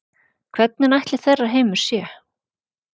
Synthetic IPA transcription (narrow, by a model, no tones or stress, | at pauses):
kʰvɛt̪̚nɪnajht̪lɪθɛrːaɦeːjmʏɾ̥sjɛ